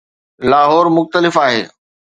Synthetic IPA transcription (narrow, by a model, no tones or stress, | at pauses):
laːɦɔːɾmʊxt̪əlɪfaːɦḛː